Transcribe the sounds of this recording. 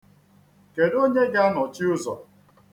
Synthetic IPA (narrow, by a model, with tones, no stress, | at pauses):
ke˨do˦ɲe˦ɡa˦nɔ˨t͡ʃi˦ʊ˦zɔ˨